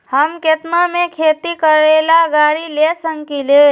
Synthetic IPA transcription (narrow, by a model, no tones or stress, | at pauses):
həmket̪namekʰet̪ikəɾelaɡaɾilesəŋkile